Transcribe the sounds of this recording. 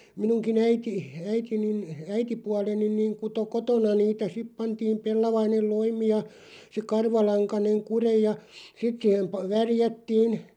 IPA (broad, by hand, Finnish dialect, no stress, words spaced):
minuŋki æiti æitinin æitipuɑlenin niːŋ kuto kotonɑ niːtæ sip pɑntiːm pelːɑʋɑinel loimi jɑ se kɑrʋɑlɑŋkɑneŋ kurej̆ jɑ sit siːhem pɑ ʋærjætːiːn